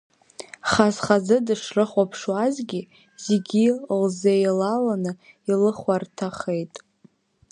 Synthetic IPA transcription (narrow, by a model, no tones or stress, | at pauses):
χazχazɨdɨʂrɨχʷapʰʂwazɡʲi | z̥eɡʲilzejlalanɨ | ilɨχartʰaχe̞jtʼ